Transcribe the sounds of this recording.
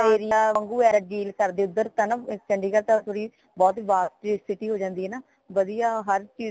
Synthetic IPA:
eːɾɪjaːəŋɡuːɛːɾəɖiːlkəɾd̪eːʊd̪ːəɾt̪ãːnãːt͡ʃəɳɖiːkəɾt̪ãt̪ʰoːɽiː | bɔːt̪ʋaːsʈsɪʈiːɦoːd͡ʒãːnd̪iːɛːnaː | ʋəd̪ijaːɦəɾt͡ʃiː

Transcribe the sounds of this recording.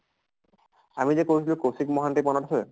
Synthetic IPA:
amid͡ʑekoɾet͡ɕʰilikosikmɔɦaɳʈipɔnaʈfʰo

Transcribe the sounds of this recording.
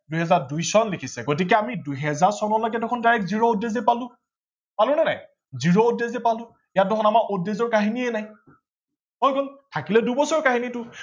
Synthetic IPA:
duɦɛzaɹdujsɔnlikʰisɛɡot̬ik̬ɛamiduɦɛzaɹsɔnɔlɔjk̬ɛdɔkʰɔndaɹɛkziɹɔudːezɛepalʊ̃ | palʊnana̰j | ziɹɔudezɛpalʊ̃ | ijat̚dɔkʰɔnamaɹʔudːezɔɹkaɦinienaj | mojɡɔltʰakilɛdubɔsɔɹkaɦinitʊ

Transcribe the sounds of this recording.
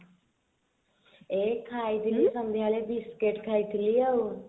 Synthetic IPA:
eːkʰaːit̪liːsəmd̪ʱaːleːbɪskeʈkʰaːit̪liːauː

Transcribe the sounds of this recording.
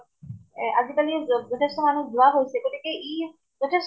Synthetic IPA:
azikaliozɔtʰestɔmanuszoaɦojseɡotikeʔi | zɔtʰes

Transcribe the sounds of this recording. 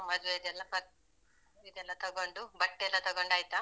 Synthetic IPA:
mɐd͡ʒ̪ʋeid̪ɛlːɐpɐ | id̪ɛlːɐt̪ɐɡoɳɖubɐʈːɛlːɐt̪ɐɡoɳɖaːjit̪a

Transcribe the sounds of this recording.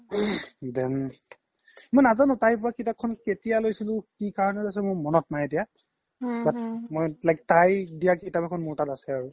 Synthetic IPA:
dɛm | mojnazanʊ̃tajpʊɹaketakʰːɔnketijalojsilʊ̃kikaɹɔnɛlojs̬ɛmʊɹmɔnɔt̚najdija | batmɔjlajk̚tajdijaketabɛkʰɔnmʊɹtatasɛaɹu

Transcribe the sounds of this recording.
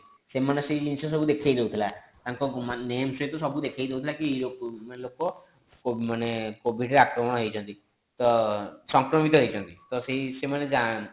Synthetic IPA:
semaneseid͡ʒinsɔs̬ɔbud̪ekʰajd̪eut̪ʰilat̪ãŋkɔmnemsɔet̪ɔsɔbud̪ekʰajd̪ewt̪ʰilakiejlomanelokɔ | komanekobʱiɖɾeakɾɔmɔɽ̃ɔɦojt͡ʃʰɔnt̪i | t̪ɔsɔŋkɾɔmit̪ɔɦojt͡ʃʰɔnt̪it̪ɔseɦisemaned͡ʒa

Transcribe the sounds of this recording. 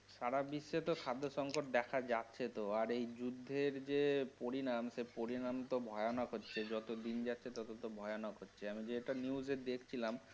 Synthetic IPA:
saɽabiʃːet̪okʰad̪ʱːoʃɔŋkoʈ̚d̪ɛkʰad͡ʑatːɕʰet̪oaɾejd͡ʑud̪ʱːeɾd͡ʑepoɾinamsepoɾinamt̪obʱɔeonɔkɦotːɕʰed͡ʑɔt̪od̪ind͡ʑatːɕʰet̪ɔt̪ot̪obʱɔjonɔkɦotːɕʰeamid͡ʑeʈaniuzed̪ekʰt͡ɕʰilam

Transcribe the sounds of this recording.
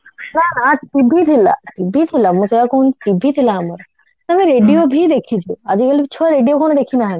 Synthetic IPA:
ɾanãʈibʱit̪ʰila̰ʈibʱit̪ʰilamũsɐjakoːnʈibʱit̪ʰilamɐɾ | t̪ɐmẽɾeːɖijobʱid̪eːkʰit͡ʃʰuəd͡ʑikɐlibʱit͡ɕʰoɾeːɖijokoːnd̪eːkʰĩnaːɦɪn

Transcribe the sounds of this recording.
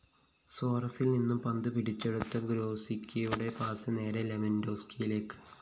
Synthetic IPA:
soːrɐsilninːumpɐnd̪ɨpiɽit͡ɕːeɽut̪ːɐɡɾoːsikʲːijuɽe̞paːsɨne̞ːɾelemendo̞ːskijile̞ːkːɨ̥

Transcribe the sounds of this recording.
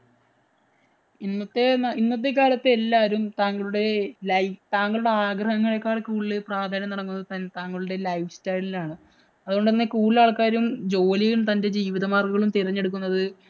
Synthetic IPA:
inːɐt̪ːe̞ninːɐt̪ːe̞k̬aːlɐt̪ːeelːaːɐɾumt̪aːŋːɐɭuɽe̞lɐjt̪aːŋːɐɭuɽe̞aːɡrɐɦɐŋːɐɭe̞kːaːrekuːɭilɨpraːd̪ʱaːnjɐmnɐɽɐkːunːɐðɨt̪ɐnt̪aːŋːɐɭuɽe̞lɐjfstɐjlilaːɳɨ | ɐðuɣo̞ɳɖenːekuːɭilaːɭkaːɾumd͡ʑo̞ːlijumt̪ɐnde̞d͡ʑiːʋiðɐmaːrɡɐɣɐɭumt̪irɐɲːe̞ɽuk̬ːunːɐðɨ

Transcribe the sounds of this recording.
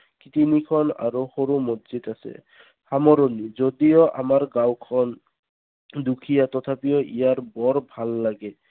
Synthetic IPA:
kit̪inikʰɔna̰ɹoxoɹumodzitasɛ̰ | hamɔɹɔnizodijɔʔa̰maɹɡawkʰɔn | dukʰijat̪ɔt̪ʰapijɔʔḭjaɹbɔɹbʱalːaɡɛ

